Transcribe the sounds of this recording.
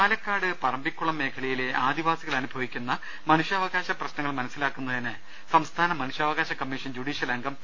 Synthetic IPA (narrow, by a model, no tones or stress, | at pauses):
aːlɐkːaːɽɨpɐrɐmbikʲːuɭɐmːe̞ːkʰɐɭɐjile̞aːd̪iʋaːsiɣɐɭɐnubʱɐʋikʲːunːɐ | mɐnuʂjɐːʋɐɣaːɕɐprɐɕnɐŋːɐɭmɐnɐsːilaːkːunːɐðinɨ | sɐmst̪ʰaːnɐmɐnuʂjaːʋɐɣaːɕɐkɐmːiʂɐnd͡ʑuɽiːɕjɐlɐŋɡʱɐm